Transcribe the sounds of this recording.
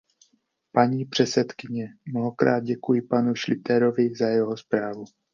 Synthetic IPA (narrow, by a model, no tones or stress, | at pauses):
paɲiːpr̝̥ɛt͡sɛt̪kɪɲɛmnoɦo̞kɾa̰ːd̪̚ɟɛkujɪpanuʃlɪt̪ɛɾo̞vɪzajɛɦospɾaːvu